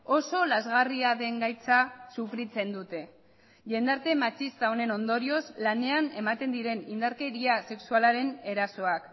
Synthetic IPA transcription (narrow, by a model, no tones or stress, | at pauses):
o̞so̞lazɣariaðe̞ŋɡajt͡sasufɾit͡se̞nd̪ut̪e̞ | ʝe̞nd̪aɾt̪e̞mat͡ʃist̪ao̞ne̞no̞nd̪o̞ɾio̞zlane̞ane̞mat̪e̞nd̪iɾe̞nind̪aɾke̞ɾiase̞ksualaɾe̞ne̞ɾaso̞ak